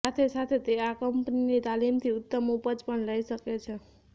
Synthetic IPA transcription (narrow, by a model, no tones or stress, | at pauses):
at̪ʰesat̪ʰet̪eakəmpninit̪alimt̪ʰiʊt̪ːəmupəd͡ʒpəɳləisəket͡ʃʰe